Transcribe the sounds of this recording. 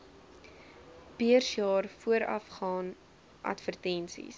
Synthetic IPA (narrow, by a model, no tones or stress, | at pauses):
biərsjɑːrfuəɾɐ̰fχɑːn | ʔɐ̰tfərtɛnsḭs